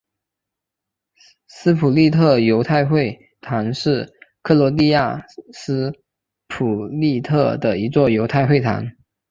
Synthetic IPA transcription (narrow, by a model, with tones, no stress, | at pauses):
sɹ̩˥pʰu˨˩li˥˧t̪ʰɤ˥˩jo˧˥ʊt̪ʰa˥˧ɪxwe˥˩ɪ | t̪ʰa˧˥nʂɻ̩˥˩kʰɤ˥˩lɔ˧˥li˥˧ja˥˩sɹ̩˥ | pʰu˨˩li˥˧t̪ʰɤ˥˩d̪ə˩i˧˥t͡swɔ˥˩jo˧˥ʊt̪ʰa˥˧ɪxwe˥˩ɪt̪ʰa̰˧˥n